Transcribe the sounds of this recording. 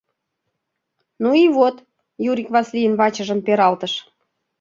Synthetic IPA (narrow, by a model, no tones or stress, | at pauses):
nuiβot̪ | juɾʲikβɑslʲijənβɑt͡ɕə̆ʒəmpeɾɑlt̪əʃ